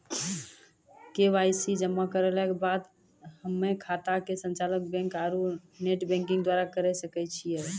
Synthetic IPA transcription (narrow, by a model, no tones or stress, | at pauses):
kebajsid͡ʒəmːakəɾəlɛkebad̪ | həmːekʰat̪akesə̃nt͡ʃalək̚bɛ̃ŋkaɾuneʈbɛ̃ŋkĩŋɡd̪waɾakəɾɛsəkɛt͡ʃʰijɛ